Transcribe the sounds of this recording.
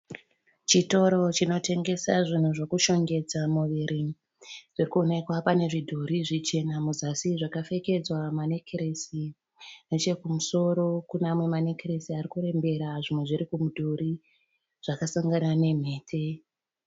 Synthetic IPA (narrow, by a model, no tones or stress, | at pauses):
t͡ʃito̞ɾo̞t͡ʃino̞te̞ŋɡe̞saʐin̤uʐo̞kuʃo̞ŋɡe̞d͡zamuʋiɾi | ʐ̥irikuone̞kwapane̞ʐidʱoɾiʐit͡ʃe̞namuzasiʐakafe̞ke̞d͡zwamanekʰeɾesi | ne̞t͡ʃe̞kumuso̞ɾo̞kunamwe̞manekeɾesiarikuɾe̞mbe̞ɾaʐimwe̞ʐiɾikumudʱoɾi | ʐ̥akasaŋɡanane̞m̤e̞ːtʰe̞